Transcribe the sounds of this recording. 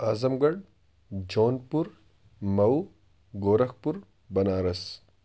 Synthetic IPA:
aːzɐmɡɐɖ | d͡ʒoːnpuɾ | mɐw | ɡoːɾɐxpuɾ | bɐnaːɾɐs

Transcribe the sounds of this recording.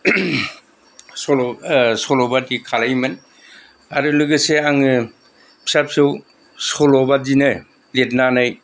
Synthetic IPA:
sɔlsɔlɔbadikʰalajmɯn | aɾulɯɡɯseaŋɯ | pʰi̥sap̚sɯw | sɔlɔbadinɯ | let̚nanaj

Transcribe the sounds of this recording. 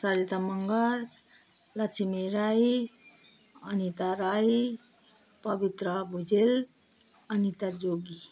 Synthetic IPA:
saɾit̪aməŋɡəɾ | lat͡ʃʰimeɾai | ənit̪aɾai | pəbit̪ɾəbʱud͡ʒel | ənit̪ad͡ʒoɡi

